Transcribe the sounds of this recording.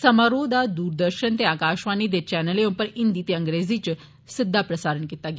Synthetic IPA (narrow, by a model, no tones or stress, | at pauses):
səmaɾod̪ad̪uːɾd̪əɾɕənt̪eakaɕʋanid̪̬et͡ɕɛnəleõmpəɾind̪it̪iəŋɡɾed͡zit͡ɕ | sɪd̪ʱːapɾəsaɾəɳkit̪aɡ